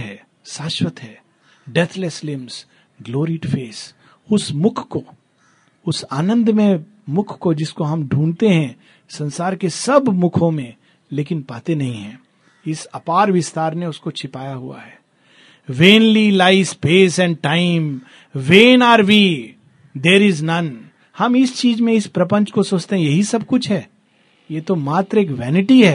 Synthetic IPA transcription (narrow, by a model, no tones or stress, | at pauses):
ɦɛː | saːʃwət̪ɦɛː | ɖɛt̪ʰləslɪms | ɡloːɾiʈfeːs | ʊsmʊkʰko | ʊsaːnə̃nd̪mẽ | mʊkʰkod͡ʒɪskoɦɐmɖʱũːnt̪eɦɛ̃ | sɐ̃nsaːɾkesɐbmʊkʰõmẽ | leːkɪnpaːt̪enɐɦĩɦɛ̰̃ː | ɪsɐpaːɾʋɪst̪aːɾnẽʊskot͡ʃʰɪpaːjaɦʊ̰a̰ɦɛː | ʋẽːnlilaɪspeːsɛ̃ɳɖ̚ʈaɪm | ʋeːnaːɾʋi | d̪eːɾɪznɐn | hɐmɪst͡ʃiːzmẽɪspɾɐpə̃ɲt͡ʃkosoːt͡ʃt̪eɦɛ̃jɐɦisɐb̚kʊt͡ʃʰɦɛː | jeːt̪omaːt̪ɾəeːkʋɛːnɪʈiɦɛː